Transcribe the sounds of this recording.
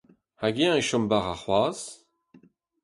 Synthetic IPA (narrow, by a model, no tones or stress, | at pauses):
haɡeãeʃɔmbaʁaχwaːz